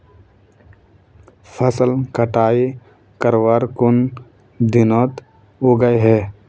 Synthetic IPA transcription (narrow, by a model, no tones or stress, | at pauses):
pʰəsəlkəʈaːi | kəɾwaɾkʊn | d̪ɪnoːt̪ | oɡəeɦɛː